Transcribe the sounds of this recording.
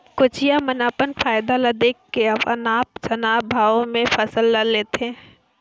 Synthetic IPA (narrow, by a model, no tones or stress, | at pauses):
kʊt͡ʃijamənaːpənfaːjd̪alɐd̪eːkːeɐpənaːp̚t͡ʃɐnaːbʱaːʋõmẽfɐsəlːəɾleːt̪eɦɛ̃